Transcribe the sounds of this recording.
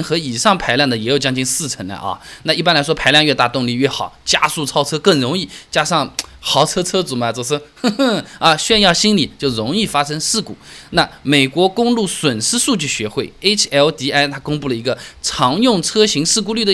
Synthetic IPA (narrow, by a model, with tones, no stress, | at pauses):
nxɤ˧˥i˨˩ʂɑ˥˩ŋpʰa˧˥ɪljŋd̪ə˩jɛ˧˥jo˨˩ʊt͡ɕjɑ˥ŋt͡ɕi˥ŋsɹ̩˥˩ʈ͡ʂʰə˧˥nla̰˧ʔɐ̰˥˩na˥˧i˥˩pa˥nla˧˥ɪʂwɔ˥pʰa˧˥ɪljɑ˥˧ŋɥɛ˧t̪a˥˧˩t̪ʊ˥˧ŋli˥˧ɥɛ˥˩xɑ˨˩˦ʊt͡ɕja̰˥su˥˧˩t͡sʰɑ˥ʊt͡sʰɤ˥kə˥˩ŋɻʊ˧˥ŋi˥˩t͡ɕja˥ʂɑ˥˩ŋxɑ˧˥ʊt͡sʰɤ˥t͡sʰɤ˥t͡su˨˩mɐ˧˩t͡so˨˩ʂɔ˥˩ɐ˧ɕɥɛ˥˧njɑ˥˩ʊɕi˥nli˨˩t͡ɕjo˥˩ʊɻʊ˧˥ŋi˥˩fa˥ʂə˥ŋʂɻ̩˥˩kṵ˨˩˦na˥˩me˨˩ɪkwɔ˧˥kʊ˥ŋlu˥˩swə˨˩nʂɻ̩˥ʂu˥˧t͡ɕy˥˩ɕɥɛ˧˥xwe˥˩ɪe˥t͡ɕʰɛ˥lt̪i˧˥a˥ɪt̪ʰa˥kʊ˥ŋpu˥˩lə˩i˧˥ɡə˧ʈ͡ʂʰɑ˧˥ŋjʊ˥˩ŋt͡sʰɤ˥ɕi˧˥ŋʂɹ̩˥˧ku˥˧ly˥˩d̪ə˨˧